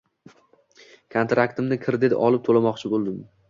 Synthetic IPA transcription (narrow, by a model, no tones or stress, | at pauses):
kʰont̪ɾakt̪ɪmnɪkʰʲɪɾd̪ed̪ɒlˠɪp̚t̪ʰolamɒqt͡ʃʰɪbolˠd̪ɪm